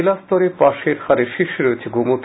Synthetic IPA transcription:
last̪oɾepaʃeɾhaɾeɾʃiʃɾoet͡ɕʰeɡomot̪

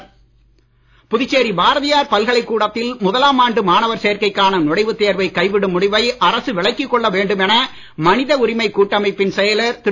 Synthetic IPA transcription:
pʊðɪt͡ʃːeːɾibaːɾɐðɪjaːɾpɐlɣɐɭɐɪkːuːɽɐt̪ːɪlmʊðɐlaːmaːɳɖɯmaːnɐʋɐɾseːɐɾkɐɪkːaːnɐnɔɽɐɪʋɯt̪ːeːɾʋɐɪkːɐɪʋɪɽɯmʊɽɪʋɐɪʔɐrɐsɯʋɪɭɐɪkːɪkːɔɭːɐʋeːɳɖɯmɛnɐ | mɐnɪðɐʊɾɪmɐɪkːuːʈːɐmɐɪpːɪnsɛjɐlɐɾt̪ɪ

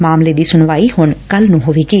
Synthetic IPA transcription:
maːmleːd̪iːsʊnʋaːiːhʊɳkəlnũːɦoːʋeːkiː

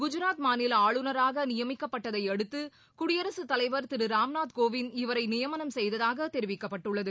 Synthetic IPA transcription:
ɡʊd͡ʒɯɾaːt̪maːnɪlaːɭɯnɐɾaːɣɐnɪjɐmɪkːɐpːɐʈːɐðɐɪɛɽɯt̪ːɯ | kʊɽɪjɐɾɐsɯt̪ːɐlɐɪʋɐɾt̪ɪɾɯɾaːmnaːt̪koːʋɪnɪʋɐɾɐɪnɪjɐmɐnɐmsɛjðɐðaːɣɐt̪ɛɾɪʋɪkːɐpːɐʈːɯɭːɐðɯ

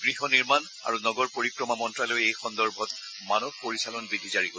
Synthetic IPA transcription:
ɡ̥ɹiɦɔniɹman | a̰ɹunɔɡɔɹpoɹikɹɔmamɔntɹalojejxɔnd̪ɔɹbʱɔt | manɔb̚poɹisalɔnbid̪ʱizaɹiɡo

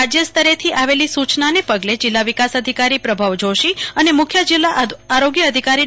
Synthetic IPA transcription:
ad͡ʒjəst̪əɾet̪ʰiʔaʋelisut͡ʃnanepəɡled͡ʒɪlːaʋikasəd̪ʱikaɾipɾəbʱaʋd͡ʒoʃiənemʊkʰjəd͡ʒɪlːaːɾoɡjəːd̪ʱikaɾi

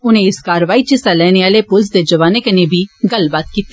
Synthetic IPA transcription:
ʊnẽːɪskaːɾəʋaːiːt͡ʃisalɛːneːaːleːpʊls̬d̪eːd͡ʒəʋaːneːkənẽːbʱiːɡɐlbaːt̪̚kiːt̪ːe

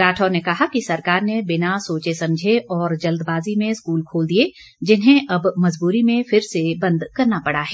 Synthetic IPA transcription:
ɾaːʈʰɔːnekɐɦakisɐɾkaːɾnebɪnasoːt͡ʃesɐ̃md͡ʒʱeɔːɾd͡ʒɐld̪baːzimẽskuːlkʰoːld̪ie | d͡ʒɪnɦẽʔɐbmɐzbuːɾimẽfɪɾsebɐ̃nd̪kɐɾnapɐɽaɦɛː

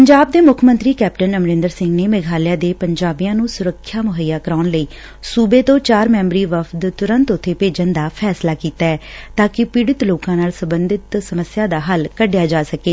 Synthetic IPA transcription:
pəɲd͡ʒaːb̚d̪eːmʊkʰmə̃nt̪ɾiːkɛːp̚ʈənəmɾɪ̃nd̪əɾsɪ̃ŋɡneːmɛɡʱaːlɪjãːd̪eːpəɲd͡ʒaːbijãːnũːsʊɾəkʰːjaːmʊɦəjːaːkəɾaːnləiː | suːbeːt̪õːt͡ʃaːɾmɛ̃ːmɾiːʋəpʰt̪t̪ʊɾənt̪ʊt̪ʰːeːpeːd͡ʒənd̪aːpʰɛːslaːkiːt̪aːɛːt̪aːkɪpɪɽɪt̪loːkãːnaːlsəmbənd̪ɪt̪səməsɪjaːd̪aːɦəlkəɖɪjaːd͡ʒaːsəkeː

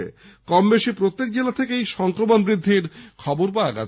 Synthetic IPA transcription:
ḛ | kɔmbeʃipɾot̪ːek̚d͡ʑelat̪ʰekeejʃɔŋkɾomonbɾid̪ʱːiɾkʰɔboɾpaaɡa̰

